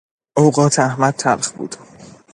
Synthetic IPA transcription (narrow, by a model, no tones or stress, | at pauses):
ʔowɢɒːt̪ʰæhmæd̪̚t̪ʰæɾxbṵːd̪̥